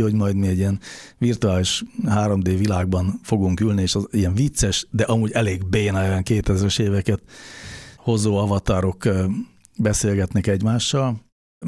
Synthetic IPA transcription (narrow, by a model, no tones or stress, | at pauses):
oɟmɒjd̪miɛɟijɛnvirt̪uaːliʃɦaːɾomd̪eːvilaːɡ̚bɒnfo̞ɡuŋkylnieːʃiɛɱvit̪sɛʃd̪ɛʔɒmuːɟɛleːɡbeːnɒjɛŋkeːt̪ɛzɾɛʃeːvɛkɛt̪ | ho̞zoːɒvɒt̪aɾo̞k | bɛseːlɡɛt̪nɛkɛɟmaːʃːɒl